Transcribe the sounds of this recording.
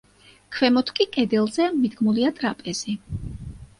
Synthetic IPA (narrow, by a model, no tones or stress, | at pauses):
kʰwɛmɔt̪ʰkʼikʼɛd̪ɛlˠzɛmid̪ɡmuliat̪ʼɾapʼɛz̥i